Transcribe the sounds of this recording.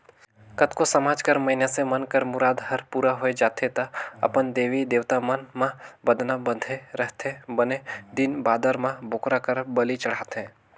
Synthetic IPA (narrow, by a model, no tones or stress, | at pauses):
kət̪kosɐmaːd͡ʒkəɾmɐɦinasemənkəɾmʊɾaːd̪ɦɐɾpuːɾaɦoed͡ʒaːt̪ʰet̪ɐɐ̰pənd̪eːʋid̪eːʋt̪amənmãbəd̪nabəd̪ʱeɾəɦt̪ʰẽbəned̪ɪnbaːd̪əɾmãbʱoːkɾakəɾbəlit͡ʃɐɽ̤aːt̪ɦɛ̃ː